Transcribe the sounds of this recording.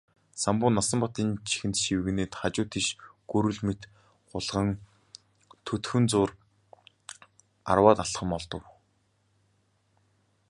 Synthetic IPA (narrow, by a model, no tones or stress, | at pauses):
sampʊːnːasə̆mpɔt̪iːnt͡ɕʰi̥xɘ̆nt̪ʃiwɘ̆ɣneːt̪χat͡ɕʊːt̪ʰiʃɡ̥uɾɵ̆ɮmet̪ | ɢʊɮʁə̆ŋ | t̪ʰɵt̪xɵ̆nt͡sʊːr | a̰rwaːt̪aɬχə̆mɔɮt̪ɞ̆w